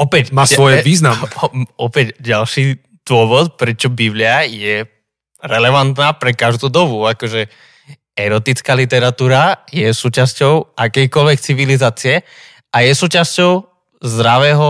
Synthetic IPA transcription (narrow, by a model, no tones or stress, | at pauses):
ɔpɛcmaːsɔjʋiːznamɔpɛcɟalʃiː | d̪̥ʋʊɔʋɔt̪pɾɛt͡ʃɔbiblɪajɛ | ɾɛlɛʋant̪naːpɾɛkaʒd̪uːd̪ɔbuakɔʒɛ | ɛɾɔt̪it͡skaːlit̪ɛɾat̪uːɾajɛsuːcascɔʊakɛjkɔlʋɛkt͡siʋilizaːt͡siɛ | ajɛsuːcascɔʊ | zd̪ɾaʋɛːɦɔ